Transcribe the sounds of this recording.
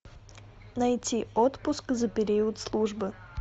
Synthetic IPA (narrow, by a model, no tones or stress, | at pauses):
nɐjtʲiot̪pʊskzəpʲɪɾʲiiwʊt̪slˠuʐbɨ